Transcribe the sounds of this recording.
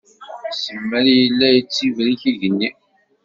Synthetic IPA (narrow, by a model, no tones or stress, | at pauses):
səmːælijəlːæjt͡sːivɾiθiʝənːi